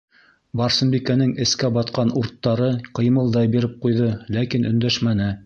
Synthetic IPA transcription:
bɑɾsɤ̆mbikænɘŋɘ̆skæbɑt̪qɑnuɾt̪ːɑɾɤqɤ̆jmɤ̆lˠd̪ɑjbiɾɘp̚qujðɤlækinʔɵ̆nd̪æʃmænɘ

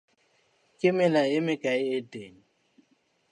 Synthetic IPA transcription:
kʼɪmɪlajɪmɪkʼaɪetʼeːɲi

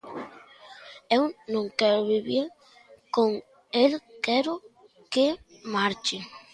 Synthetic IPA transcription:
ewnõŋkɛɾoβiβiɾ | koŋ | elkɛɾo | ke | maɾt͡ʃe

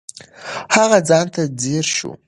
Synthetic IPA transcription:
ħaʁad͡zantʰad͡zirʃṵ

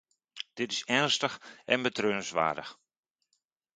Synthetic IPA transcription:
d̥ɪtɪsɛnstəxʔɛ̰nbətrøːnəsʋa̰ːdəx

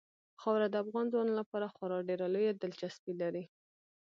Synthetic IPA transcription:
xɑwɾad̪əafɣɑnzwɑnlapɑɾaxwaɾɑɖeɾalojad̪əlt͡ʃaspilaɾi

